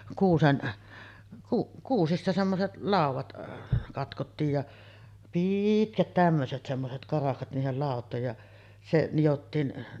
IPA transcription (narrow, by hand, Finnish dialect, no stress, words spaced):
kuːsen kuʔ kuːsistɑ semːoset lɑˑuʋɑt kɑtkotːiːj jɑ piːtkæt tæmːøset semːoset kɑrɑhkɑt niːhel lɑˑotˑoˑej jɑ se nijotːiːn